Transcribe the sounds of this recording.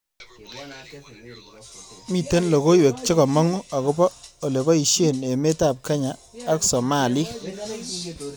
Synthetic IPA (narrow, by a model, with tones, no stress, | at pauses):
mi˨te˦nlo˨ko˦we˨k̚t͡ʃɪ˦kɔ˨mɔ˦ŋo˦a˨kʊ˦bɔ˦o˨le˨bɔ˦i˨ʃe˦˨ne˨me˦ta˨p̚ka˦ɲaː˨˦ksɔ˨ma˦˨li˦